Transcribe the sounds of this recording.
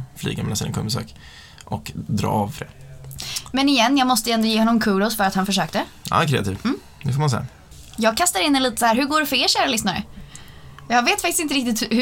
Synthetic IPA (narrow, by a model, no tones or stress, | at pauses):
flḭːɡamɛlasḭnə̰ŋkʰɔ̰mbəsø̰ːk | ʔɔkd̪ɾɑ̰ːvfɾḛː | mɛnɪjɛnːjɑːɡmɔst̪əɛnd̪ɔjeːɔnːɔmkʰʉːɾʊsfœɾat̪hanfœʂøːk̚t̪ə | a̰ːkʰɾɛ̰ːat̪ʰiːvmː | d̪ɛfɔːmansḛːa | jɑːɡ̚kʰast̪aɾɪnɛliːt̪ə̥sahæːɾɦɵɡoːɖɛfeːlʃæːɾalʏsnaɾə̰ | jɑːɡveːt̪fakt̪ɪsɪnt̪əɾɪkt̪ɪt̪hh